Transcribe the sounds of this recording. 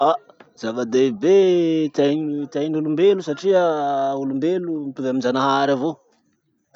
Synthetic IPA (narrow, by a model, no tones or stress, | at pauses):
a | zavad̪ebet̪ajɲt̪ajnulumbelusaʈ͡ʂiəulumbelumpuvaminzanaɦaaɾavo